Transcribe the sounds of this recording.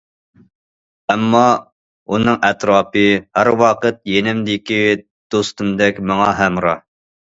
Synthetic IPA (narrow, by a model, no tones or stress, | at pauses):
ɛmːɑ | unɨŋʔɛt̪ɾɑːpɨhæɾwɑqət̪̚jenɪmd̪ɪkʲi | d̪̥ost̪umd̪ɛkʲmɑŋɑɦæmɾɑ